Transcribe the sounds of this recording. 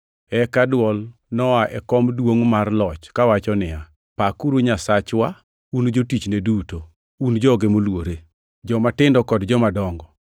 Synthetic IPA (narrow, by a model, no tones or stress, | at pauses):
ɛkadwɔlnɔaʔɛkɔmdwoŋmarlɔt͡ʃkawat͡ʃɔnɪja | pakuɾuɲasat͡ʃwa | und͡ʒotit͡ʃneduto | und͡ʒɔɡemolwoɾe | d͡ʒɔmatɪndɔkɔdd͡ʒɔmadɔŋɡɔ